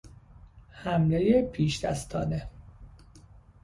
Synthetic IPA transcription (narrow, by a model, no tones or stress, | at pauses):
hæmlejepʰiːʃd̪æ̰st̪ʰɒːne